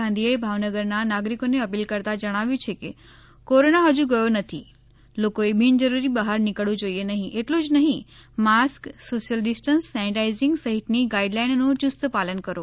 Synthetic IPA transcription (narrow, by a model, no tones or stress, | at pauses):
ãnd̪ʱiəebʱaʋnəɡəɾnanaɡɾikoneəpilkəɾt̪ad͡ʒəɽ̃aʋjũt͡ʃʰeke | koɾonaɦəd͡ʒũɡəjonət̪ʰi | lokoebind͡ʒəɾuɾibəɦaɾnikəɭũd͡ʒoienəɦĩʔeʈlũd͡ʒnəɦĩmasksoʃjəlɖɪsʈənsːanɪʈaizɪ̃ŋɡsəɦit̪niɡaiɖlainnũt͡ʃʊst̪əpalənkəɾo